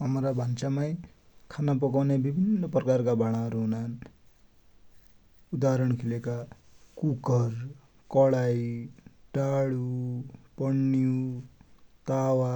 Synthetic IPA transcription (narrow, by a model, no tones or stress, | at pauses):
ɦʌmɾabʱant͡samaj | kʰanap̬ʌkawnebibʱinːʌprʌkarkabaɽ̃aʌɾuɦunan | ud̪aɾʌɽ̃kʰilekakukʌr | kʌɽajʈaɽupʌɳːiu | t̪awa